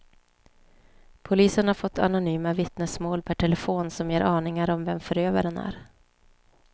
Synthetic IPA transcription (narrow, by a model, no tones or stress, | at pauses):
pʰʊliːsənhaɾfɔt̪ʰːa̰nʊnyːmavɪt̪nəsmoːlpʰæʈʰɛlɛfoːnsɔmjeːɾʔɑːnɪŋaɾɔmvɛmfœɾøːvaɾənæ̰ɾ